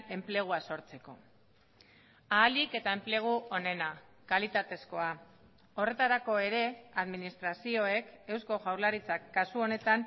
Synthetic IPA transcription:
e̞mple̞ɣ̞uaso̞ɾt͡se̞ko̞̰ | aːlike̞t̪ae̞mple̞ɣ̞uʔo̞ne̞na | kalit̪at̪e̞sko̞a | o̞re̞t̪aɾako̞e̞ɾe̞aðminist̪ɾasio̞e̞ke̞wsko̞ʝawɾlaɾit͡sakːasuo̞ne̞t̪an

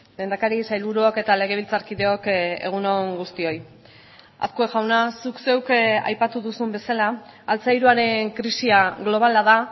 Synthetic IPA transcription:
d̪e̞jnd̪akaɾisajlβuɾuoke̞t̪ale̞ɣ̞e̞βilt͡saɾkiðe̞o̞ke̞̰ɣ̞unoŋɡust̪io̞j | a̰skoeɣawnasukse̞wka̰jpat̪uðusumbe̞salaːlt͡sajɾuaɾe̞ŋkɾisiaɣlo̞β̞alaða

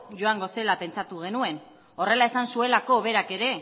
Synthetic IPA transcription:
ʝo̞aŋɡo̞se̞lape̞nt͡sat̪uɣ̞e̞nue̞n | o̞re̞lae̞sansue̞lako̞βe̞ɾake̞ɾe̞

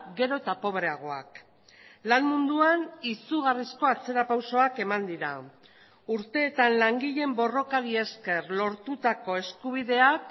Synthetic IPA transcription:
ɡe̞ɾo̞t̪apo̞βɾe̞aɣ̞o̞a̰k | lanmund̪uanisuɣ̞arisko̞at͡se̞ɾapawso̞ake̞mand̪iɾa | uɾt̪e̞ːt̪anlaŋɡiʎe̞mbo̞ro̞kaɾie̞ske̞rlo̞ɾt̪ut̪ako̞e̞skuβ̞iðe̞ak

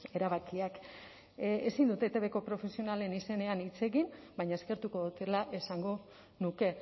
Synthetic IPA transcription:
e̞ɾaβakiak | esind̪ut̪et̪e̞βe̞ko̞pɾo̞fe̞sio̞nale̞nise̞ne̞anit͡se̞ɣim | bajɲaeske̞ɾt̪uko̞ðut̪e̞laʔe̞saŋɡo̞ | nuke̞

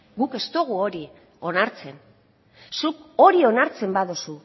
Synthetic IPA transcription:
ɡuke̞st̪o̞ɣuo̞ɾi | o̞naɾt͡se̞n | suko̞ɾio̞naɾt͡se̞mbaðosu

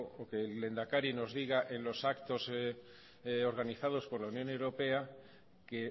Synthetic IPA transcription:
okelɣle̞nd̪akaɾino̞zðiɣ̞aʔe̞nlo̞sakt̪o̞s | o̞ɾɣaniθaðo̞spo̞ɾlaunjõ̞ne̞wɾo̞pe̞a | ke̞

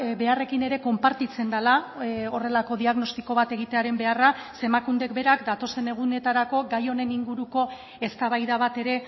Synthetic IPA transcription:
be̞are̞kine̞ɾe̞ko̞mpaɾt̪it͡se̞nd̪alao̞re̞lako̞ðiaɣno̞st̪i̥ko̞βat̪e̞ɣ̞it̪e̞aɾe̞mbe̞arase̞makund̪e̞kbe̞ɾakd̪at̪o̞se̞ne̞ɣ̞une̞t̪aɾako̞ɡajo̞ne̞niŋɡuɾuko̞ | e̞st̪aβajðaβ̞at̪e̞ɾe̞

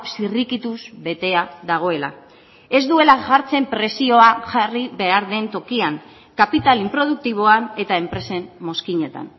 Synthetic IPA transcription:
sirikit̪uzβe̞t̪e̞aðaɣ̞o̞e̞la̰ | e̞zd̪ue̞laʝaɾt͡se̞mpɾe̞sio̞aʝariβe̞aɾðe̞nt̪o̞kiaŋ | kapit̪alimpɾo̞ð̞uk̚t̪iβ̞o̞ane̞t̪ae̞mpɾe̞se̞mːo̞skiɲe̞t̪a̰n

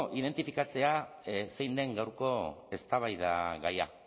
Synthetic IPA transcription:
ʔiðe̞nt̪ifikat͡se̞ase̞jnd̪e̞ŋɡawɾko̞e̞st̪aβajða̰ɣaja̰

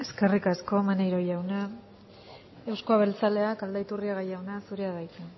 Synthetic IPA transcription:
e̞ske̞rikasko̞manejɾo̞jawna | e̞wskoaβ̞e̞lt͡sale̞akald̪ait̪uriaɣajawnasuɾe̞aðajt̪e

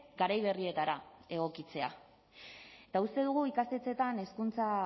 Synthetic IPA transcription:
ɡaɾajβ̞e̞rie̞t̪aɾae̞ɣ̞o̞kit͡se̞a | et̪aust̪e̞ð̞uɣuikast̪e̞t͡se̞t̪ane̞skunt͡sa

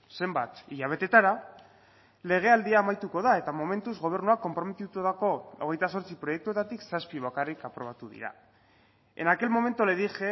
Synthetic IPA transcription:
se̞mbat̪iʎaβ̞e̞t̪e̞t̪aɾa | le̞ɣ̞e̞ald̪iaːmajt̪uko̞ðae̞t̪amo̞me̞nt̪uzɣo̞β̞e̞ɾnuako̞mpɾo̞me̞t̪it̪oðako̞oɣ̞e̞jt̪aso̞ɾt͡sipɾo̞je̞k̚t̪ue̞t̪at̪iksaspiβ̞akarikapɾo̞βat̪uðḭɾa̰ | e̞̰nake̞lmo̞me̞nt̪oleðixe

